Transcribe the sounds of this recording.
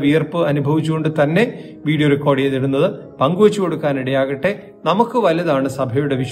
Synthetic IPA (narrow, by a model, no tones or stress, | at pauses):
ʋijɐrpɨɐnubʱɐʋit͡ɕːuɣo̞ɳɖɨt̪ɐnːe̞ | ʋiːɽijoɾukːo̞ːɽijeðiɽunːɐðɨ | pɐŋɡuʋɐt͡ɕːuko̞ɽukːaːniɽɐjaːɣɐʈːe̞ | nɐmukːɨʋɐlɐðaːɳɨsɐbʱɐjuɽe̞ʋiʂ